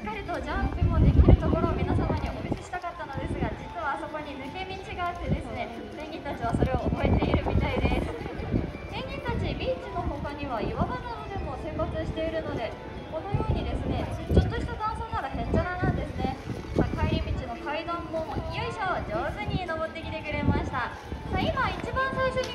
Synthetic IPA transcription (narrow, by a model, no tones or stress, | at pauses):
i̥kːaɾʲit̪o̞d͡ʑãmpɯ̟mo̞d̪ekʲiɾɯ̟t̪o̞ko̞ɾo̞ːmʲinasamaɲ̟iomobʲisi̥ɕi̥t̪akat̪ːano̞d̪e̞sɨɡad͡ʑit͡sɨβaːso̞ko̞ɲ̟inɯ̟ke̞mʲit͡ɕiɡaːt̪ːe̞d̪e̞sɨne̞ | sẽ̞ŋɡʲĩnt̪at͡ɕiβ̞aso̞ɾe̞oːbo̞e̞t̪e̞iɾɯ̟mʲit̪aid̪e̞sɨ | sẽ̞ŋɡʲĩnt̪at͡ɕibʲiːt͡ɕino̞ɦo̞kaɲ̟iβaiβaɡ̪ananod̪e̞mo̞sẽ̞mbat͡sɨɕi̥t̪e̞iɾɯ̟no̞d̪e̞ | ko̞no̞jo̞ːɲ̟id̪e̞sɨne̞t͡ɕo̞t̪ːoɕi̥t̪ad̪ãɰ̃soːnaɾahẽ̞ɲd͡ʑaɾanãnd̪e̞sɨne̞ | makaiɾʲimʲit͡ɕino̞kaid̪ãmːokʲijoiɕod͡ʑoːsɨɲ̟ino̞bo̞t̪ːe̞kʲit̪e̞kɯ̟ɾe̞maɕi̥t̪a | saimait͡ɕibãɰ̃saiɕo̞ɲʲi